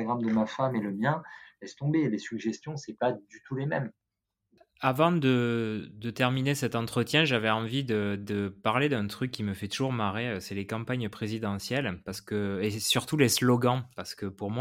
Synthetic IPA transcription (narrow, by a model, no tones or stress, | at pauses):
aɡʁamd̪əmafameləmjɛ̃lɛst̪ɔ̃belesyɡʒɛst̪jɔ̃sɛpad̪yt̪ulemɛm | avɑ̃d̪əd̪ət̪ɛʁminesɛt̪ɑ̃t̪χət̪jɛ̃ʒavɛɑ̃vid̪əd̪əpaʁled̪ɛ̃t̪χykʲːiməfɛt̪uʒuʁmaʁeøsɛlekɑ̃paɲpχezid̪ɑ̃sjɛlpaʁsə̥kəesyʁt̪uleslɔɡɑ̃paʁsə̥kəpuʁmwa